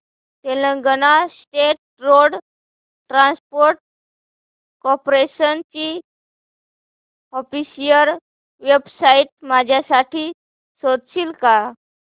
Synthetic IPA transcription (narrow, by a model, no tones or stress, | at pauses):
t̪elə̃ɡənasʈeʈ̚ɾoɽ | ʈɾãnspoɾʈ̚ | kɔɾpɾeɕənt͡ɕi | ɔfisijəɾ | ʋebsaiʈ̚mad͡ʑʱjasaʈʰiː | sod̪ɕiːlka